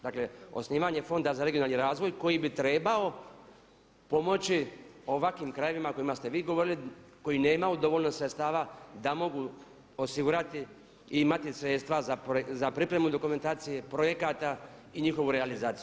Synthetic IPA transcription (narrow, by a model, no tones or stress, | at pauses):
d̪akle̞o̞̰sniːʋaɲe̞fo̞nd̪azaɾe̞ɡionalniɾaːzʋo̞jko̞jibit̪ɾe̞ːbao̞ | po̞mo̞t͡ɕio̞ʋakʋimkɾaje̞ʋimako̞imast̪e̞ʋiːɡo̞ʋo̞ɾiliko̞jine̞ːmaud̪o̞ʋolnosɾet̪st̪aːʋad̪amo̞ɡu | o̞siɡuɾat̪i | iimat̪isɾe̞ːt̪st̪ʋazapzapɾipɾe̞mud̪o̞kume̞nt̪aːt̪sije̞pɾo̞je̞kat̪aiɲixo̞ʋuɾealizaːt̪siju